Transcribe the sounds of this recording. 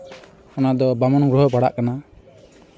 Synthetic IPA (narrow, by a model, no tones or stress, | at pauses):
ɔnad̪ɔbamɔnɡɾɔɦɔbaɽa̰ʔkana